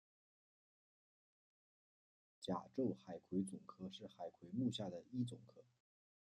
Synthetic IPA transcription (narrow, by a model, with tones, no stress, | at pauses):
t͡ɕja˨˩ʈ͡ʂo˥˩ʊxa˨˩ɪkʰwe˧˥ɪt͡sʊ˨˩ŋkʰɤ˥ʂɻ̩˥˩xa˨˩ɪkʰwe˧˥ɪmu˥˧ɕja˥˩d̪ə˩i˥t͡sʊ˨˩ŋkʰɤ˥